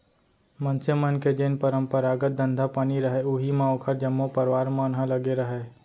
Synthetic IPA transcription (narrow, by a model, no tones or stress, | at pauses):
mənsemənked͡ʒeːnpəɾəmpəɾaːɡət̪̚d̪ə̃nd̪ʱapaːniɾəɦeuɦimãoːkʰəɾd͡ʒəmːopəɾʋaːɾmãnɦə̃ləɡeɾəɦe